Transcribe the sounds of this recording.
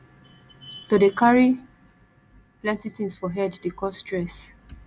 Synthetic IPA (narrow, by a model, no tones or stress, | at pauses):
todəkaɹi | plãntitĩnsfɔɦɛddekɔstɹɛs